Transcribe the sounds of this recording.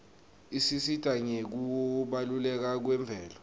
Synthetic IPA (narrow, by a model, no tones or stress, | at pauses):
isisitʼaɲek̬uwɔɓalulɛk̬ak̬wɛmb̪vʱɛːlɔ